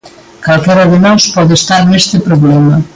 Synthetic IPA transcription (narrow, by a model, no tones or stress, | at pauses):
kalkɛɾɐðɪnɔspɔðest̪aɾnest̪ɪpɾoβlɛmɐ